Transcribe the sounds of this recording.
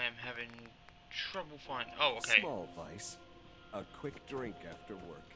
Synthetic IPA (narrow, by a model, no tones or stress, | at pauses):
ɪɨ̃mɦævɪ̃ŋ | tʰɹ̥ʌbl̩ˠfãɪ̃noʊoʊkʰeɪmɔlˠva̰ɪs | əkʰw̥ɪkd̥ɹɪ̃ŋkæftə˞wɜ̰˞k